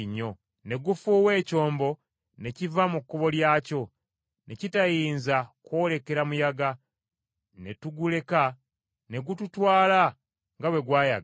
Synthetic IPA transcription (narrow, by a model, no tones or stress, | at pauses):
ɲːo̞ | ne̞ɡufuːwe̞ːco̞ːmbo̞ | ne̞civamukːoβo̞ljaːco̞ | ne̞citajiːnzakwoːle̞ke̞ɾamujaɡa | ne̞tuɡule̞ka | ne̞ɡututwaːla | ŋɡawe̞ɡwaːja̰ɡ